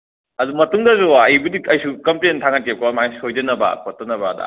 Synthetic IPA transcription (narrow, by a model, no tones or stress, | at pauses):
ɐdumɐtuŋdɐzoɐjbɐdiɐjsukɐmplentʰaŋat̚kep̚kʰɐamajsojd͡ʒɐnɐbɐ̰kʰotːɐnɐbɐdɐ̰